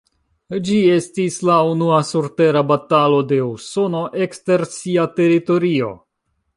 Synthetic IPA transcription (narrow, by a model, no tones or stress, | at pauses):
d͡ʒie̞stislaunuasuɾte̞ɾabatalo̞de̞uso̞no̞ʔe̞kste̞ɾsiate̞ɾito̞ɾio̞̰